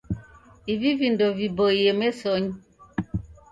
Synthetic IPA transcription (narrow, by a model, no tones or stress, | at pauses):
ivivindovibojemesoɲ